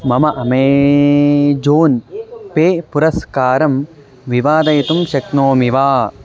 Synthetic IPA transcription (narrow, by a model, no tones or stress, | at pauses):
mɐmɐʔɐmeː | d͡ʒoːnpeːpuɾɐskaːɾɐm | ʋiʋaːd̪ɐjɐt̪umʃɐknoːmiʋaː